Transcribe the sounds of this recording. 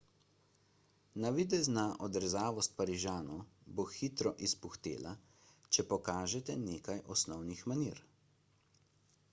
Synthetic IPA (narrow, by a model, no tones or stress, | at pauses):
naʋid̪ɛznaʔɔd̪ɾɛzaːʋɔst̪̚paɾiʒaːnɔboxit̪ɾɔʔispuxt̪ḛːla | t͡ʃɛpɔkaːʒɛt̪ɛneːkajʔɔsnɔwnixmanḭɾ